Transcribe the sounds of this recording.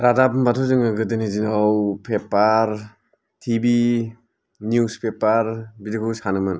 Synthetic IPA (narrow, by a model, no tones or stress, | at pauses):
ɾadabnbatʰɔzɯŋɯɡɯdɯnizinawpʰepaɾ | tʰibi | njuspepaɾbidikʰɯwsanɯmɯn